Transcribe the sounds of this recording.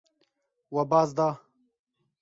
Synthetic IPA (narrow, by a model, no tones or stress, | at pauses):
wɐbaːzd̪aː